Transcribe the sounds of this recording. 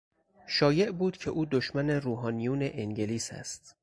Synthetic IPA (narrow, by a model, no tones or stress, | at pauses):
ʃɒːje̞ʔbuːd̪̥cʰe̞ʔuːd̪oʃmæne̞ruːɦɒːnijuːne̞ʔeŋɟeliːsæ̰st̪